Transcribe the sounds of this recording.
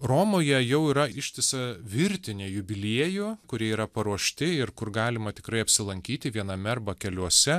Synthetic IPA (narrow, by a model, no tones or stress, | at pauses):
roːmoːjɛjɛʊiːɾɐɪʃʲt̪ʲɪsɐʋʲɪɾʲt̪ʲɪnʲeːjʊbʲɪlʲiɛjukʊɾʲiɛiːɾɐpɐɾuɔʃʲt̪ʲɪɪrkʊrɡɑːlʲɪmɐt̪ʲɪ̥kɾɐɪɐpʲsʲɪlˠɐŋʲkʲiːt̪ʲɪʋʲiɛnɐmʲɛrbɐkʲɛlʲuɔsʲɛ